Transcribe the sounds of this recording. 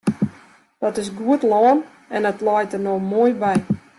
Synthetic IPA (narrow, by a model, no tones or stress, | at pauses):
d̥ɔtɪsɡuətlɔːn | ɛndɔtlɔːjtərnomoːjbɛj